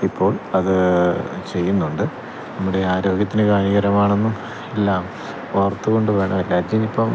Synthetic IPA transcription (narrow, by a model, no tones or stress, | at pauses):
ipʰːo̞ːɭɐðɨt͡ɕe̞jːunːuɳɖɨ | nɐmːuɽe̞aːɾo̞ːɡjɐt̪̬ːinɨkaːniɣɐɾɐmaːɳe̞nːum | elːaːm | oʋɐrt̪ːuko̞ɳɖɨʋe̞ːɳɐmɾaːd͡ʑ̪jɐmipːoː